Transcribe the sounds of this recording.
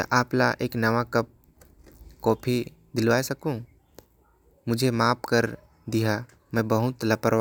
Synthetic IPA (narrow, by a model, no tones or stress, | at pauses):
t̪ə̰ʔaːpla̰ʔeːknɐʋakəp̚ | kɔːpʰi | d̪ɪlʋaːesəkũ | mʊd͡ʒʱemaːpkəɾ | d̪iɦa | mɛ̃bəɦʊt̪ləpəɾ